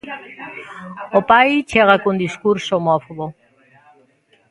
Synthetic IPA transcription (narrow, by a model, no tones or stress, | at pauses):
opajt͡ʃʰeɣakund̪iskuɾsomɔfoβo